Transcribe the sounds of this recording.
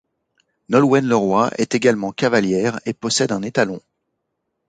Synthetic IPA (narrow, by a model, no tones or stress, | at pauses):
nɔlwɛnləʁwaʔɛ̰t̪eɡalmɑ̃kavaljɛːʁepɔsɛd̪ɛ̃net̪alɔ̃